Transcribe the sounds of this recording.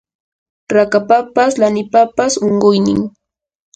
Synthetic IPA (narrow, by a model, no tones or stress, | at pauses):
ɾakapapaslanɪpapasoɴɢʊjnɪ̰ŋ